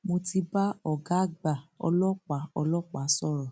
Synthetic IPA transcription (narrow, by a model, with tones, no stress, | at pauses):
mo˧ti˧ba˦ɔ˨ɡa˨˦ɡ͡ba˨ɔ̰˧lɔ˦k͡pa˨ɔ̰˧lɔ˦k͡pa˨˦sɔ˦˨ɾɔ˨